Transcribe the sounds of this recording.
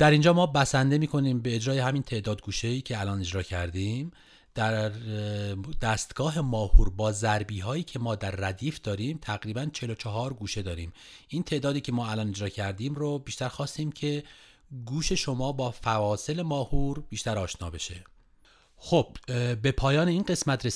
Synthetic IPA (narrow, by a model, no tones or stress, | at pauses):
d̪̥æɾind͡ʒɒːmɒːbæsænd̪e̞miːkʰo̞niːmbe̞ːd͡ʒɾɒːje̞ɦæmiːnt̪ʰe̞d̪ɒːd̪̚ɡuːʃeiːcʰeælɒːne̞d͡ʒɾɒːcʰæɾd̪iːm | d̪̥æɾ | d̪æːst̪ɡ̥ɒːɦe̞mɒːhuːɾbɒːzæɾbiːɦɒːjiːcʰe̞mɒːd̪æɾːæd̪iːfd̪̥ɒːɾiːmt̪ʰæɣɾiːbænt͡ʃʰe̞lot͡ʃʰɒɦɒːɾɡuːʃe̞d̪ɒːɾiːm | ʔiːnt̪ʰe̞ʔd̪ɒːd̪iːcʰemɒːælɒːne̞d͡ʒɾɒːcʰæɾd̪iːmɾobiːʃt̪æɾxɒːst̪iːmcʰe | ɡuːʃe̞ʃomɒːbɒːfævɒːse̞le̞mɒːhuːɾbiːʃt̪æɾɒːʃnɒːbe̞ʃe̞ | xob̥be̞pʰɒːjɒːneiːnɢe̞smæt̪ʰɾe